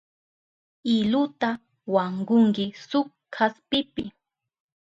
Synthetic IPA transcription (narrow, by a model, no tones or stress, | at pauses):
ɪlʊt̪a | waɴɢʊŋkɪsʊk | kʰːaspɪpɪ